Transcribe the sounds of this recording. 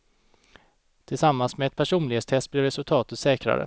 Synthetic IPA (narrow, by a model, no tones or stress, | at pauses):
t̪ʰɪlsamːansmɛɛt̪̚pʰæʂuːnlɪheːt̪st̪ʰɛst̪blɪɾɛsɵlt̪ʰɑːt̪ət̪sɛːkɾa̰ɾə̰